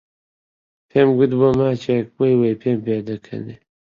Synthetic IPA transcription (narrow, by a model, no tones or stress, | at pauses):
pʰemɡud̪bomaːt͡ʃek̚bojwejpʰeːmped̪ɐkʰɐ̰ne